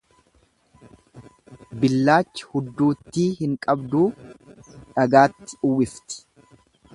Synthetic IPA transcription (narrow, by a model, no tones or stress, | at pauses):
bɪlːaːt͡ʃːɪ̥hʊd̪ːuːt̪ːiːhɪŋkʼɐbd̪uː | ᶑɐɡaːt̪ːɪ̥ʊwɪft̪ɪ̥